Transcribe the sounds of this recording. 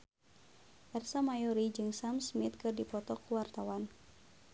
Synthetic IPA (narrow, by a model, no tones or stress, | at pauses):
pɛrsamajɔɾid͡ʒɨŋsamsmit̪̚kɨrdipɔt̪ɔkuwart̪awan